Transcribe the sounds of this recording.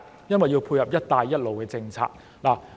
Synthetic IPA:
jɐ˥nwɐ˨˩jːi˧wpʰu˧jhɐ˨˩p̚jɐ˥t̚t̪aː˧jːɐ˥t̚lo˨wkɛː˧t͡sɪ˧ŋt͡sʰa̰ː˧k̚ | laː˨˩

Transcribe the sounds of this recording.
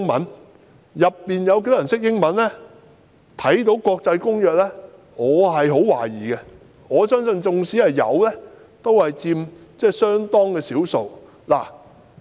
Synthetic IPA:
ŋmɐ̰˨˥n | jɐ˨pːiː˨njɐ˨˧wke˧˥jt̪ːɐ˨˩nsɪ˥k̚jɪ˥ŋmɐ˨˥nlɛː˥ | t̪ʰɐ˨˥jt̪̬o˨˥wkɔː˧k̚t͡sɐ˧jkʊ˥ŋjœː˨˧k̚lɛː˥ | ŋɔː˨˧ɦɐ˨jɦo˨˥wwaː˨˩jiː˨˩ɡɛ˧ | ŋɔː˨˧sœː˥ŋsɵ˧nt͡sʊ˧ŋsiː˨˥hɐ˨jjɐ̰˨˧wlɛː˥ | t̪o˥whɐ˨jt͡siː˧mt͡sɛː˥˩sœː˥ŋt̪ɔː˥ŋkɛː˧siː˨˥wso˨˧w | la̰ː˨˩

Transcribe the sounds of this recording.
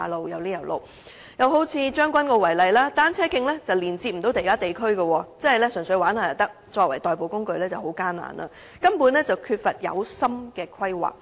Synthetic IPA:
a˨˧lo˨wjɐ˨wliː˥jɐ˨˩wlo̰˨w | jɐ˨˧who˨˥wt͡sʰiː˧t͡ʃœː˥ŋkʷɐ˥nkɔː˧wɐ˨˩jlɐ˨jlaː˥t̪aː˥nt͡sʰɛː˥kɪ˧ŋlɛː˥t͡sɐ˨wliː˨˩nt͡siː˧t̚m̩˨˩o˨˧˥t̪e˨˩kaː˥t̪e˨jkʰɵ˥ɥɡɐ˧wɔː˧t͡sɐ˥nhɐ˨jlɛ˥sɵ˨˩ŋsɵ˧ɥwaː˨˥nhaː˨˩jɐ˨˩t̪ɐ˥k̚t͡ʃɔː˧k̚wɐ̰˨˩jt̪ɔː˨jp̬o˨wkʊ˥ŋkɵ˧ɥlɛː˥t͡sɐ˨˩who˨˧˥wkaː˥nna̰ː˨˩nʔa̰˨˧ | kɐ˥mpuː˨˥nlɛ˥t͡sɐ˨wkʰyː˧t̚fɐ˨t̚jɐ̰˨˧wsɐ˥mkɛː˧kʰɐ˥jwa̰ː˨˩k̚

